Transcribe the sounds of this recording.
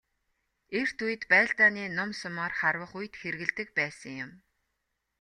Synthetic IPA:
er̥t̪ʰujɘ̆t̪pæːɮt̪aːniːnʊmsʊmɔːrχarwə̆χujt̪xerɣɘ̆ɮt̪ɘ̆k̚pæːsə̆ŋjʊm

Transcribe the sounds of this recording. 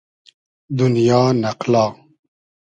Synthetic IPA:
d̪unjaːnɐqlɑː

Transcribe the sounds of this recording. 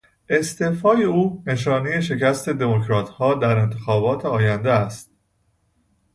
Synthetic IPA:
e̞st̪e̞ːfɒːje̞uːne̞ʃɒːneje̞ʃ̬e̞cæst̪e̞d̪e̞mocɾɒːt̪ʰhɒːd̪æɾe̞nt̪ʰe̞xɒːbɒːt̪ʰeɒːjænd̪eæst̪̚

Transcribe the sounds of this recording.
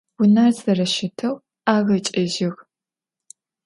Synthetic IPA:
wʊnaːrzɐrɐʃɪtʰɐw | aːɣɐt͡ʃʼɪʒɪɣ

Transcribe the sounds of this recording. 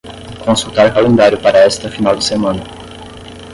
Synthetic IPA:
kõsut̪aɾʊkalẽnd̪aɾjʊpaɾɐɛst̪ɐfinawd̪ɪsemɐ̃nɐ

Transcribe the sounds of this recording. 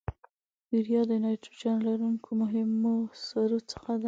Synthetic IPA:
biɾjɑd̪əjunɑjʈod͡ʒɑnlaɾuŋkʰomʊɦɪmosaɾot͡sə̥xad̪a

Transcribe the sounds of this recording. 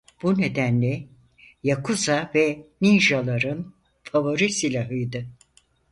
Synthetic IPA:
b̥une̞d̪ænlʲɛ | jakʰuzavɛniʒalˠaɾɯn | favo̞ɾisilʲaɦɯjd̪ɯ

